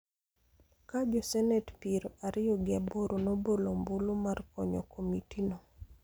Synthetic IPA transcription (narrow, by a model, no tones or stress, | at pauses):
kad͡ʒɔsɛnɛtpiɾoʔaɾɪjɔɡɪaboɾonobolombulumarkɔɲɔ̰kʰomitino